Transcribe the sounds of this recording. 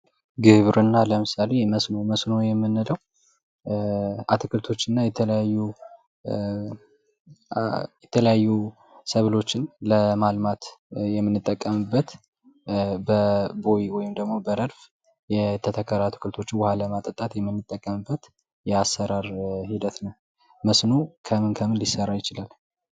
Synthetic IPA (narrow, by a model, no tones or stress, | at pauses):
ɡɨβɾɨnːaləmɨsale̞məsnoməsno̞jɛmːɨnːɨləw | at̪ʰɨkɨlt̪ʰo̞t͡ʃːɨnːajɛt̪ʰələjajːu | jɛt̪ʰələjajːu | səβlo̞t͡ʃːɪnləmalmat̪jɛmːɨnːɨt̪ʼːəkʼːəmɨbːət̪ | bəbo̞jiwɔjɪmd̪əɡmo̞bəɾəɾf | jɛt̪ʰət̪ʰəkʰːəɾat̪ʰɨ̥kʰɨlt̪ʰo̞t͡ʃːɪwhaləmat̪ʼət̪ʼat̪jɛmːɨnːɨt̪ʼːəkʼːəmɨbːət̪ | jɛasːəɾaɾhid̪ət̪nəw | məsnokʰəmɨnkʰəmɨnlɪsːərːajɪt͡ʃɪlal